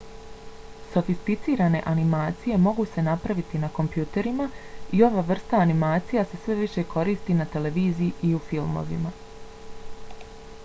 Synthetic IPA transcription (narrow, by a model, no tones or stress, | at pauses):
so̞fist̪it̪siːɾane̞̰ʔanimaːt̪sije̞mo̞ɡuse̞napɾaʋit̪inako̞mpjuːt̪e̞ɾimaio̞ʋaːʋr̩st̪aːnimaːt̪sijase̞sʋe̞ʋiʃe̞ko̞ɾiːst̪inat̪e̞le̞ʋiːzijiʔiufilˠmo̞̰ʋḭma